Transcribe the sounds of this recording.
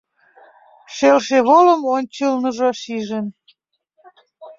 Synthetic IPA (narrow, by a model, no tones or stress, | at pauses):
ʃelʃeβoləmonʲt͡ɕəlnəʒoʃiʒən